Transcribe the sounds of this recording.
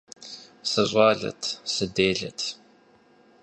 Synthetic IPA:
sɐɕʼɑːɮɐ̰tʰsɨdeːɮɐ̰tʰ

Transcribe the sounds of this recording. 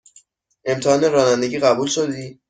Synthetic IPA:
e̞mt̪ʰehɒːneɾɒːnænd̪e̞ɟiːɣæbuːlʃod̪iː

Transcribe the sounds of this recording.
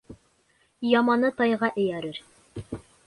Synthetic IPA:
jɑmɑnɤt̪ɑjʁɑʔɘ̆jæɾɘɾ

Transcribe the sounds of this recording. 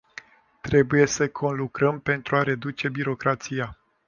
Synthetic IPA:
t̪ɾe̞buje̞səkʰo̞nlukɾəmpe̞nt̪ɾuaɾe̞d̪ut͡ʃe̞biɾo̞kɾat̪sija

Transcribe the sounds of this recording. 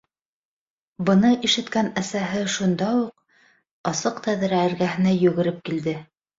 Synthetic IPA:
bɤ̆nɤʔiʃɘ̆t̪kænæsæɦɘʃund̪ɑuq̚ | ɑsɤqt̪æðɘ̆ɾæɘ̆ɾɡæɦɘ̆næjɵ̆ɣɘ̆ɾɘp̚kild̪ɘ

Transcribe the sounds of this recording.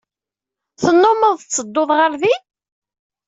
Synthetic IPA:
θənːʊməðˤt͡sːəd̪ːʊðʁəɾði

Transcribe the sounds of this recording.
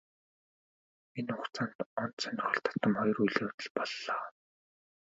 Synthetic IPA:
minʊχt͡saːnt̪ɔn̥t̪sœnʲɪ̆χɞ̆ɬt̪ʰḁt̪ə̆mχɔjɞ̆rujɮeːt̪ə̆ɮpɔɮːɔː

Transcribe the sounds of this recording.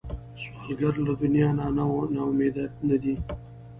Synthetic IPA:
swalɡaɾlad̪ʊnjɑnanawnɑʊmed̪anad̪i

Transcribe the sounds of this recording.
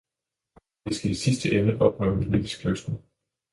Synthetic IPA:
d̥esɡ̥æisisd̥əʔemnəʔɒ̽b̥ʁœʊ̰med̥isɡ̥ʰløsd̥n̩

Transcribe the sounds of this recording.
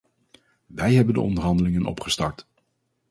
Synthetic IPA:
ʋɛjɦɛbəndə̰ʔɔ̰ndəɹɦɑndəlɪŋənɔ̰pχəstɑɹt

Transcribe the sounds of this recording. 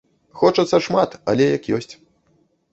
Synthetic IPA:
xɔt͡ʂɐt̪sːɐʂmat̪ɐ̰lʲɛjɐkjɔsʲt͡sʲ

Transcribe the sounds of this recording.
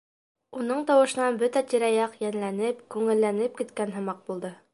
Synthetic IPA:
unɤɴt̪ɒwɤ̆ʃɤ̆nɑnbɵt̪æt̪iɾæjɑqjænlænɘpkʉŋɘ̆lːænɘp̚kit̪kænɦɤ̆mɑq̚bulˠd̪ɤ

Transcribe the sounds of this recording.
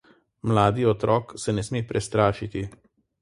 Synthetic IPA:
mlaːd̪iɔt̪ɾɔːksɛnɛsmeːpɾʔɛst̪ɾaːʃit̪i

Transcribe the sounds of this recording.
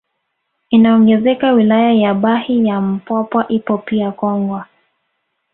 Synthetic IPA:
inaɔŋɡɛzɛkawilajajaɓahijam̩pwapwaʔipɔpiakɔŋɡwa

